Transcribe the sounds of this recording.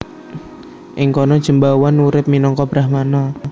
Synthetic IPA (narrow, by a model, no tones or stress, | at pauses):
ʔɪŋkɔnɔd̥ʒ̥əmbawanuɾɪp̚minɔŋkɔb̥ɾahmanɔ